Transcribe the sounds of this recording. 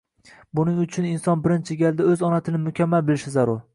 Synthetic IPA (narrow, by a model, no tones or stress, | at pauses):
bʊnɪŋʊt͡ʃʰʊnɪnsɒnbɪɾɪnt͡ʃʰɪɡʲald̪aɵzɒnat̪ʰɪnɪmʊkʲʰamːalbɪlɪʃɪzaɾʊɾ